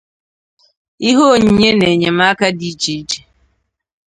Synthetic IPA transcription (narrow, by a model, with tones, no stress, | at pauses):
i˦ɦo˦˨ɲ̩˦ɲe˦ne˨ɲe˨ma˦ka˦di˦t͡ʃi˨˦t͡ʃe̥˨